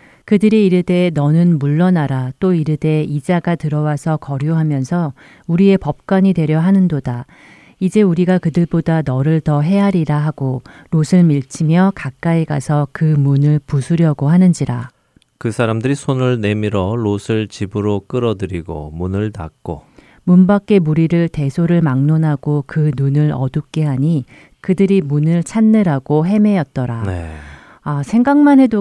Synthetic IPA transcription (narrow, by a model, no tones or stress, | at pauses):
kɯdɯɾiiɾɯde̞nʌnɯnmuɭːʌnaɾat͈oiɾɯde̞id͡ʑaɡatɯɾʌwasʰʌkʌɾjoɦamjʌnsʰʌ | uɾie̞pʌp̚k͈waɲidwe̞ɾjʌɦanɯndoda | id͡ʑe̞uɾiɡakɯdɯɭpodanʌɾɯɭtʌɦe̞ɦaɾiɾaɦaɡoɾosʰɯɭmiɭt͡ɕʰimjʌkak͈aiɡasʰʌkɯmunɯɭpusʰuɾjʌɡoɦanɯnd͡ʑiɾa̰ | kɯsʰaɾamdɯɾisʰonɯɭne̞miɾʌɾosʰɯɭt͡ɕibɯɾok͈ɯɾʌdɯɾiɡo̰munɯɭna̰k̚k͈o | munbak͈e̞muɾiɾɯɭte̞sʰoɾɯɭmaŋnonɦaɡ̥okɯnunɯɾʌdɯp̚k͈e̞ɦaɲi | kɯdɯɾimunɯɭt͡ɕʰanːɯɾaɡoɦe̞me̞jʌt̚t͈ʌɾane | asʰe̞ŋɡaŋmane̞do